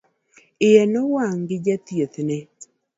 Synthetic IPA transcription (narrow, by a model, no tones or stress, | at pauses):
ɪjɛnɔwaŋɡɪd͡ʒat̪jet̪nɛ